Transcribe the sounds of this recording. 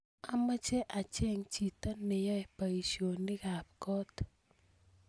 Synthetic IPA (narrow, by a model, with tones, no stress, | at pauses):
a˨ma˦t͡ʃe˦ʔa˨t͡ʃe˦˨ŋt͡ʃi˨t̪a˦nɪ˨jɔ˦e˨pa˨i˨ʃo˨nɪ˦ɡa˨p̚kɔ˦t̪